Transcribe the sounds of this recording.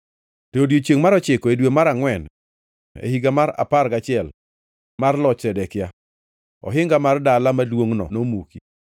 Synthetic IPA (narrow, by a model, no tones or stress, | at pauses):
toodjot͡ʃjeŋmaɾɔt͡ʃɪkɔedwemaɾaŋwɛn | ḛhiɡamaɾa̰parɡat͡ʃɪɛl | marlɔt͡ʃtɛdɛkja | ɔ̰ɦɪŋɡamardalamadwoŋnɔ̰nomuki